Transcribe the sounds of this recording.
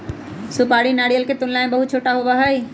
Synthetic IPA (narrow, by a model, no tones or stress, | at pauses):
sʊpaːɽinaːɽijəlkʰet̪ʊnlãːɪ̃nbɐɦʊt͡ɕʰoːʈaɦʊʋaɦai